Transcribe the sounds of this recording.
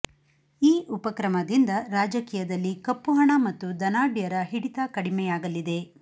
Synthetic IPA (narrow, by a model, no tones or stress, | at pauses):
iːʔupɐkɾɐmɐd̪ind̪ɐɾaːd͡ʒɐkiːjɐd̪ɐlːikɐpːuɦɐɳɐmɐt̪ːud̪ɐnaːɖjɐɾɐɦiɽit̪ɐkɐɽimɛjaːɡɐlːid̪e̞